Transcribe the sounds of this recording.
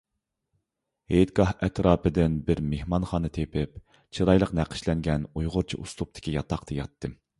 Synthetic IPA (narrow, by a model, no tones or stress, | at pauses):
hejt̪̚ɡɑhɛt̪ɾɑːpɨd̪ɪnbɪɾmehmɑnχɑːnɨt̪ʰepʰɪp | t͡ʃʰiɾɑjlˠəqnæqʰə̥ʃlɛŋɡʲɛnujʁʊɾt͡ʃʰḭʔuslˠup̚t̪ʰɪ̥kʲijɑt̪ɑqt̪ʰɨjɑ̰t̪ʰːɨ